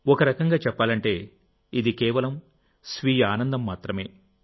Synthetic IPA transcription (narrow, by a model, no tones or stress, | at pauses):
ɔkɐɾɐkɐŋɡaːt͡ʃɛpːaːlɐɳʈe̞ː | id̪ikɛːʋɐlɐm | sʋiːjaːnɐnd̪ɐmːaːt̪ɾɐme̞ː